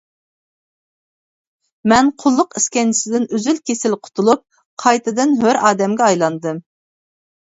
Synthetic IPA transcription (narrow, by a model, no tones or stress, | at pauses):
mɛnqʰʊlˠːʊqiskʲɛnt͡ʃʰisɪd̪ɪnøzylkʲesɪlqʰʊ̥t̪ʰulˠup̚ | qʰɑjt̪ʰɨd̪ɨnɦøɾɑːd̪ɛmɡʲɛɑjlˠɑnd̪ɨm